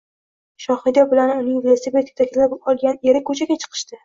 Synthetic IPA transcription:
ʃɒχid̪ɒbɪlanʊnɪŋvilesebet̪ɪ̥k̚ʲt̪ʰakʲʰɪlabɒlˠɡʲane̞ɾɪkʰɵt͡ʃʰaɡʲat͡ʃʰɨ̥qʰɨ̥ʃt̪ɪ

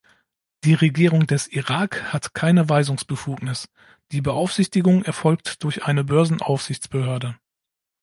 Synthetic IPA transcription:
d̥iːʁeɡiːʁʊŋdɛsʔiʁaːkhatkʰaɪnəvaɪzʊŋsb̥əfuːknɪs | d̥iːbəʔaʊfz̥ɪçtɪɡʊŋɛɐfɔlk̚td̥ʊɐçʔaɪnəbœɐzn̩ʔa̰ʊfz̥ɪçt͡sb̥əhøːɐdə

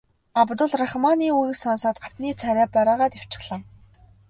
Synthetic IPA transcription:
apt̪ʊ̆ɮraχmaniːujĭksansaːt̪̚ɢḁt͡s̪niːt͡sʰæɾæːpæɾaːʁaːt̪iw̥t͡ɕɪ̆χɮ̥aː

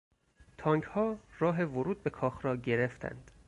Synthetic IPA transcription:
t̪ʰɒːŋɡhɒːrɒːɦevoɾuːd̪̚be̞kʰɒːxɾɒːɟe̞ɾeft̪ʰæ̰nd̪̥

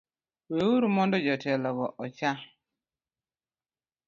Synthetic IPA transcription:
wewuɾumɔndɔd͡ʒɔtɛlɔɡɔʔɔt͡ʃa

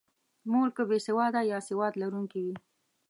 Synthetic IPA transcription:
moɾkəbesewɑd̪ajɑsewɑd̪laɾuŋkiwi

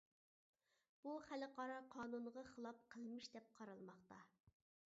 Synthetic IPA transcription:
b̥uχælɨqɑɾɑqʰɑːnunʁɑχəlˠɑp̚qʰəlˠmɨʃd̪ɛp̚qʰɑɾɑlˠmɑχt̪ɑ

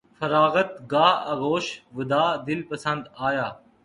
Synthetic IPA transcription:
fəɾaːɣət̪ɡaːɦɐɣoːʃʋʊd̪aːd̪ɪlpəsə̃nd̪aːjaː

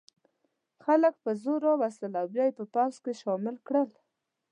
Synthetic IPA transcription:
xalək̚pəzoɾɑwast̪əlawbjɑjepəpawskeʃɑmɪlkɽəl

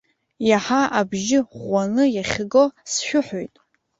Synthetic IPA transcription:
jaħaabʒɪʁʷanɨjaχʲɡo̞sʃᶣʊħojtʼ

